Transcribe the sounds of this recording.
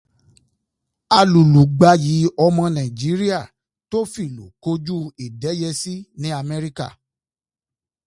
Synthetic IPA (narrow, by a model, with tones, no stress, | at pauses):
a˧lu˨lu˨ɡ͡ba˨˦ji˨˦ɔ˧mɔ̃˧nã˨d͡ʒi˨˦ɾi˦a˦˨ | to˦fi˦˨lo˨ko˦d͡ʒu˦i˨dɛ˨˦jɛ˧si˦nĩ˨˦a˧mɛ̃˧ɾi˦ka̰˦˨